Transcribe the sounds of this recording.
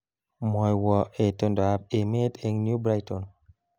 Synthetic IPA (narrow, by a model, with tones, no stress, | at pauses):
mɔ˨jwɔ˨e˨to˨ndɔ˨a˨be˨me˦te˨ŋnju˦bɾa˦jtɔ˨n